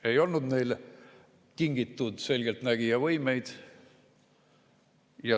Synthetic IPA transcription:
e̞jo̞lnud̪ne̞jl | kiŋɡ̥it̪ːˑud̪̥se̞lɡ̥elt̪næɡ̥ijɑvɤjme̞jd̪̥ | jɑ

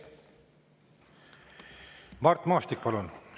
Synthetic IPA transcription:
mɑrt̪ːmɑːst̪ikːpɑlun

